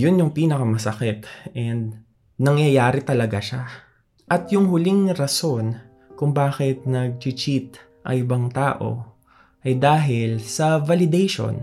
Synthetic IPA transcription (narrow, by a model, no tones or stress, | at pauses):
jʊnjʊŋpiːnɐkɐmɐsɐkɪt̪ʔɛnd̪̚ | nɐŋjɐjaːɾɪt̪ɐlɐɡaʃa | ʔɐt̪jʊŋɦʊliŋɾɐso̞n | kʊŋbaːxɪt̪̚nɐɡ̚t͡ʃɪt͡ʃit̪̚ | ʔɐ̰ŋʔɪbaŋt̪a̰ːʔo̞̰ | ʔɐjd̪aːɦɪlsɐvalɪd̪ɛjʃo̰n